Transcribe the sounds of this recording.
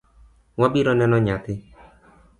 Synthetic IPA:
wabiɾɔnɛnɔɲat̪ɪ

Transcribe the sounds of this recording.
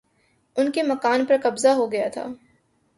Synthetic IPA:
ʊnkemɐkaːnpɐɾqɐbzaɦoɡɐjat̪ʰa̰ː

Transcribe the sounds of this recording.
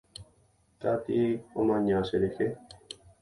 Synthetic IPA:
t̪at̪iomãɲãseɾexe

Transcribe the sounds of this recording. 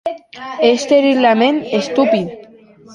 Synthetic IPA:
est̪eɾilamenest̪upið

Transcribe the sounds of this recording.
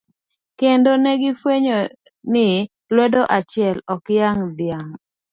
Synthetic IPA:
kendonɛɡɪfweɲo | nɪ | lwɛdoʔat͡ʃɪɛlɔkjaŋd̪ɪjaŋ

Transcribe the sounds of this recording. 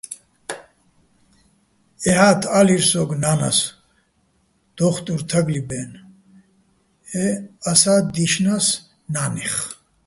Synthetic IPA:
ɛhat̪ʰaliɾsɔɡnana̰s | d̪̥ɔχt̪ʼuɾt̪ʰaɡlibɛn | ɛasad̪iʃnas | naːniχ

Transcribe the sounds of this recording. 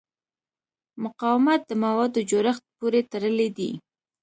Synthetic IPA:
mʊqɑwɪmat̪̚d̪əmawɑd̪od͡ʒoɾaxt̪̚poɾet̪aɾəled̪ḭ

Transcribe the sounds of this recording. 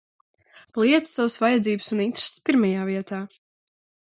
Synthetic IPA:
lˠiɛt̪ssavəsvajad̪ziːbɨsunint̪ɾe̥sspiɾmajaːviɛt̪aː

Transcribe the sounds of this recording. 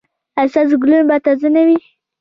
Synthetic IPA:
asaz̬ɡlubat̪azənawi

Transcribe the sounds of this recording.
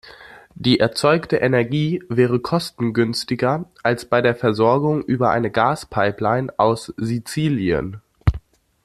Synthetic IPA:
d̥iːʔɛɐt͡sɔʏktəʔɛnɛɐɡiːvɛːʁ̞əkʰɔstn̩ɡʏnstɪɡɐʔalsb̥aɪɾeːɐfɛɐzɔɐɡʊŋʔyːbɐʔa̰ɪnəɡaːspʰaɪplaɪnʔaʊszit͡siːljə̰n

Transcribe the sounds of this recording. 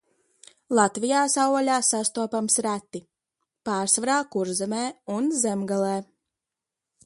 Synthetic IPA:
lˠat̪vijaːsawɔlʲaːsast̪uɔpamsɾæt̪ːi | paːɾsvaɾaːkuɾzɛmɛːunzɛmɡalˠɛː

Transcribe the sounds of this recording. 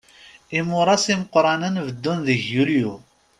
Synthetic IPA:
imʊɾˤɑsiməqɾˤɑnənvəd̪ːunðəçjuliju

